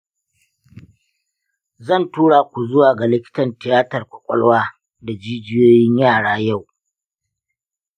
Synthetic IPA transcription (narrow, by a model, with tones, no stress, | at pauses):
zɐ˦˨ntuː˦ɽa˨kʷu˨zʊ˦waː˨ɡa˨lɪ˦kʲɪ̥˦tɐ˨ntɪ˨jaː˦tɐ˨rkʷʊ˨kʷʼɐ̰˦lwaː˦ | da˨d͡ʒiː˦d͡ʒɪ˦joː˦jɪ˦ɲjaː˦˨ɽaː˦ja˦˨w